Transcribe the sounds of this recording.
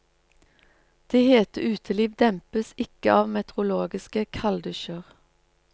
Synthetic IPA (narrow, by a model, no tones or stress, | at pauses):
d̪̥eːheːt̪əʔʉːt̪ʰəliːʋd̪ɛmpəsɪkəɑːʋmɛt̪əʁʊloːɡɪskəkʰɑld̪ʉʃəʁ